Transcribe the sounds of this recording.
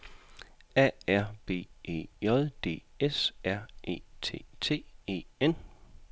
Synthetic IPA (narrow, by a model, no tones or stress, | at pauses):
ɛ̰æɐb̥e̝̰ːḛːɒðˠd̥e̝̰ːesæɐ̰ʔe̝̰ːt͡sʰe̝̰ːt͡sʰe̝̰ːe̝̰ːen̰